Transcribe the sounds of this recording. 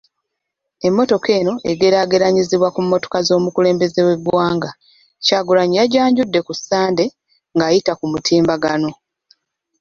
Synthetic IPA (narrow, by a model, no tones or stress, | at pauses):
e̞mːo̞to̞ke̞ːno̞ʔe̞ɡe̞ɾaːɡe̞ɾaɲiziβwakumːo̞to̞̥kazo̞ːmukule̞ːmbe̞ze̞we̞bwaːŋɡa | caːɡulaɲijaɟaːɲɟudːe̞kusːaːnde̞ | ŋɡaːjitakumutʰiːmbaɡano̞